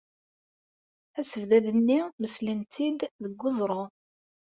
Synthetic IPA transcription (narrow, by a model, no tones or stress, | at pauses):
æsəvðæðənːiməslənt̪ʰid̪ðəɡːʊzˤɾˤo